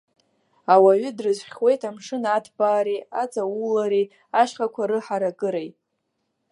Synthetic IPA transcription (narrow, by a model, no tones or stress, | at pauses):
awaɥʏdrɨzʷχʲwe̞jtʰamʂɨnatʰbaːɾiat͡sʼawulaɾi | aʃqakʷʰaɾɨħaɾakʼɨɾejtʼ